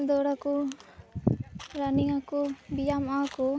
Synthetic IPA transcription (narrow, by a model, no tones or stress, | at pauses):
d̪ɔɽaku | ɾaniŋakubijamaku